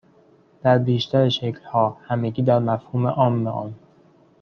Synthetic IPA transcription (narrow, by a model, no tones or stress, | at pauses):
d̪̥æɾbiːʃt̪ʰæɾeʃeclhɒːhæmeɡʲiːd̪æɾmæfhuːmeʔɒːmːeʔɒ̰ːn